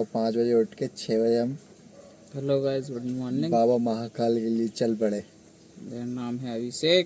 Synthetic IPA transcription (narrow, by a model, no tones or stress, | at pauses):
ɔpãːt͡ʃbɐd͡ʒeʊʈket͡ʃʰeːbɐd͡ʒeɐm | pɐloɡaːɪzmɔnɪ̃baːbamɐɦakaːlkeliet͡ʃɐlbɐɽeː | benaːmɦɛɐbʱise